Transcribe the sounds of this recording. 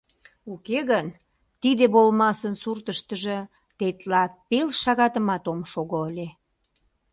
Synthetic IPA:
ukeɣən | t̪id̪eβolmɑsənsurt̪əʃt̪əʒe | t̪et̪lɑpelʃɑɣɑt̪əmɑt̪omʃoɣoəlʲe

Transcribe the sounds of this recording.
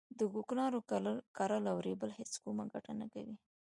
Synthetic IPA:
d̪əɡuknɑɾokaɾalawɾebəlheskomaɡaʈanaka̰wi

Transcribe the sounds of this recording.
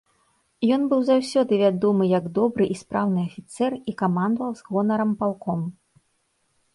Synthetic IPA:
jɔnbɨwzawsʲɔd̪ɨvʲad̪ɔmɨjɐɡd̪ɔbɾɨʔispɾawnɨɐfʲit̪sɛrikamand̪ɐvɐwzɣɔnɐɾɐmpalˠkɔm

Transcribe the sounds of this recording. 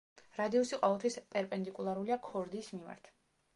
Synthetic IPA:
ɾad̪iɔsiqʼɔvɛlˠt̪ʰwispʼɛɾpʼɛnd̪ikʼulˠaɾuliakʰɔɾd̪iːsmima̰ɾt̪ʰ

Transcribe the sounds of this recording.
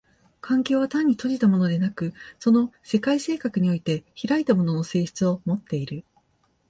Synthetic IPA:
kʰãŋkʲo̞ːβat̪ãɲ̟ːit̪o̞ʑit̪amo̞no̞d̪e̞nakɯ̟so̞no̞se̞kaise̞ːkakɯ̟ɲ̟io̞it̪e̞çiɾait̪amo̞no̞no̞se̞ːɕi̥t͡sɨo̞mo̞t̪ːe̞iɾɯ̟

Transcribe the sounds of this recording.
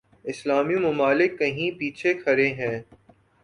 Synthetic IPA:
ɪslaːmijũmʊmaːlɪkːɐɦĩpiːt͡ʃʰekʰɐɾẽɦɛ̃ː

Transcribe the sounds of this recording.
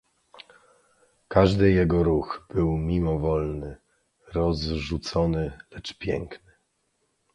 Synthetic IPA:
kaʐd̪ɘjɛɡɔɾuɣb̥ɘwmʲimɔvɔlnɘ | ɾɔzʐut̪sɔnɘlɛt͡ʂpʲjɛ̰ŋknɘ̥

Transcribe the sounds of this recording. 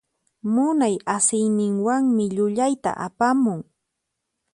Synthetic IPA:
mʊnajasɪjnɪŋwaŋmɪʎʊʎajt̪a̰ʔa̰pamʊŋ

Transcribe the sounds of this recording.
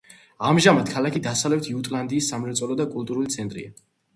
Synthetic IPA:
amʒamad̪kʰalakʰid̪asavlɛp̚t̪ʰiut̪ʼland̪iːsːamɾɛt̪sʼɔlɔd̪akʼulˠt̪ʼuɾulit̪sʰɛnt̪ʼɾḭa

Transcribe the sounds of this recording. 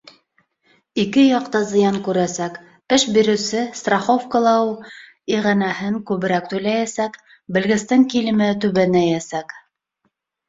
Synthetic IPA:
ikɘjɑqt̪ɑzɤ̆jɑŋkʉɾæsæk | pɘʃbiɾɵ̆sɘst̪raχofkɤ̆lˠɑw | iʁænæhɘŋkʉβɘ̆ɾæk̚t̪ʉjlæjæsæk | bɘ̆lɡɘ̆st̪ɘŋkilɘ̆mɘt̪ʉβænæjæsæk

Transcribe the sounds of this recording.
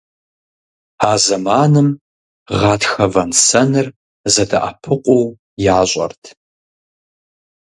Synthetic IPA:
aːzɐmaːnɨm | ʁɑːtxɐvɐnsɐnɨr | zɐdɐʔɐ̰pʰɨqʷʼʊw | jaːɕʷʼɐ̰rtʰ

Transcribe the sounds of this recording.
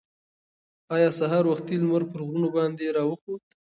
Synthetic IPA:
ɑjɑsaɦɑɾwaxt̪ilməɾpəɾɣɾunobɑnd̪eɾɑwəxod̪

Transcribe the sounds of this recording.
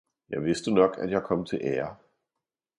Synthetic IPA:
jɑʋɪsd̥uːnɒkʰæ̰tjäɪkʰɔmt͡sʰe̝lʔɛːɐ

